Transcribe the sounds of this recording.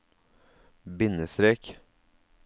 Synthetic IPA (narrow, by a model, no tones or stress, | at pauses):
bɪnəsɾeːk